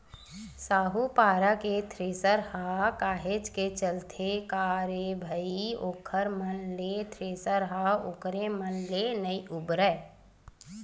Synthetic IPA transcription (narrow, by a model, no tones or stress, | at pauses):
saːɦupaːɾaket̪ʰɾeːsəɾɦakaːɦed͡ʒket͡ʃəlt̪ʰekaːɾebʱəioːkʰəɾmənlet̪ʰɾeːsəɾɦaoːkɾemənlenəiʔʊbɾə